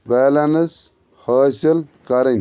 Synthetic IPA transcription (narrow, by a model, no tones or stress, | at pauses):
beːlɐnɐs | haːsilkɐɾɐn